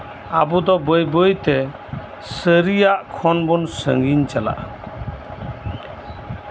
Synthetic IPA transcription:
abud̪ɔbəjbəjt̪ɛ | səɾijaʔkʰɔnbɔnsə̰ŋɡiɲt͡ʃala̰ʔ

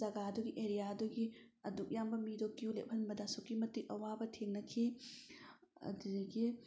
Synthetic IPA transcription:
ɐɡaɐduɡiʔeɾijaɐduɡiɐduk̚jambɐmidokːijulep̚ʰhɐnbɐdasokːimɐtik̚ɐwabɐtʰeŋnɐkʰi | ɐ̰didɐɡi

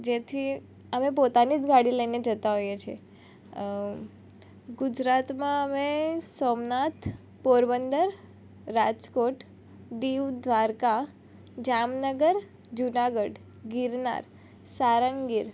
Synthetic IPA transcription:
d͡ʒet̪ʰi | əmep̬ot̪anid͡ʒɡaɽiləined͡ʒət̪aɦojet͡ʃʰe | ɡʊd͡ʒɾat̪mãəmesomnat̪ | poɾbənd̪əɾː | ad͡ʒkoʈ | d̪iʋd̪ʋaɾka | d͡ʒamnəɡəɾ | d͡ʒunaɡəɽ | ɡiɾna̰ɾ | saɾəŋɡiɾ

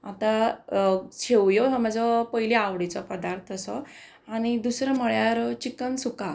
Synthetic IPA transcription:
at̪a | t͡ɕʰewjɔɦɔm̤ad͡zɔpəɦiliawɽit͡sɔpəd̪aɾt̪ʰəsɔ | añid̪usɾəmɔɭjaɾt͡ɕikənsuka

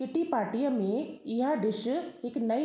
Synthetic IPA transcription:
kɪʈipaːɾʈijãmẽɪɦad̪ɪʃəɪknɐi

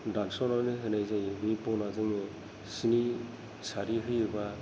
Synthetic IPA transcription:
dansɔnɔnɯɦɯnajzajbɯpɔnazɯŋ | sini | saɾiɦɯjɯba

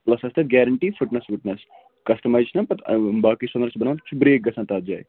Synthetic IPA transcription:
plɐsɐst̪ʰɐɡɛːɾɐɳʈiːfɪʈnɐsʋɪʈnɐs | kɐst̪ɐmaːjt͡ʃʰinɐpɐt̪baːkisɐnd̪ɐɾt͡ʃbɐnaːʋnʰt͡ʃʰbɾeːk̚ɡɐsʰãːnt̪aːt̪̚d͡ʒa̰ːj

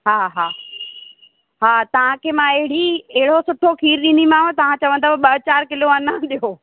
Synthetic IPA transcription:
ɦaːɦaː | ɦaːt̪ɐʋ̤ãkʰeːmãːɪɦɪɽieɦɪɽosʊʈʰokʰiːɾɗĩːn̆d̪imãːt̪ɐʋ̤ãt͡ɕɐʋə̃nd̪aːpɓɐɦt͡ɕaːɾkɪloɐnãɗ̪ijoː

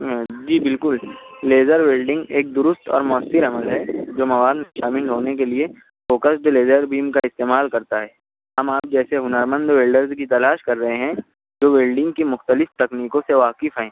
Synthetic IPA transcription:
d͡ʒiːbɪlkʊlleːzəɾʋeːlɖɪ̃ŋɡeːk̚d̪ʊɾʊst̪ɔ̰ːɾmʊəsːɪɾɐməlɦɛd͡ʒoːmɐʋaːd̪meʃaːmɪlɦoːnek̬elie | foːkəsd̪leːzəɾbiːmkaɪst̪eːmaːlkɐɾt̪aɦɛː | ɦɐmaːp̚d͡ʒɛːseɦʊnəɾmə̃nd̪ʋeːlɖəɾzkit̪ɐlaːʃkɐɾːɐɦẽɦɛ̃ | d͡ʒoːʋeːlɖɪ̃ŋɡkimʊxt̪əlɪft̪ɐkniːkõseʋaːkɪfɦɛ̃ː

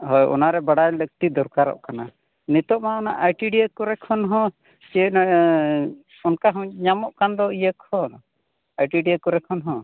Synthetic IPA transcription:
ɦɔjɔ̰naɾɛbaɽajlək̚t̪id̪ɔɾkaɾɔ̰ʔkana | nit̪ɔʔmaɔna̰ʔajʈiɖiəkɔɾɛkʰɔnɦɔ̃ | t͡ʃiən | ɔnkaɦɔ̃ɲamɔʔkand̪ɔijəkʰɔn | ajʈiɖiəkɔɾɛkʰɔnɦɔ̃

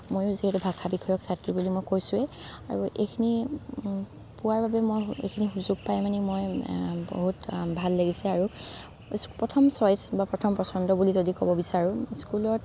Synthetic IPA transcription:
mojʊziɦɛtubʱakʰabikʰɔjɔksatɹibulimojkojsʊɛa̰ɹuḛkʰini | puwaɹbabɛmojḛkʰinixuzuɡ̚pajmanimojbo̰ɦutbʱalːaɡisɛaɹu | pɹɔtʰɔmsɔjsbapɹɔtʰɔmpɹɔsɔndɔbulizodikɔbɔbisaɹũskulɔt

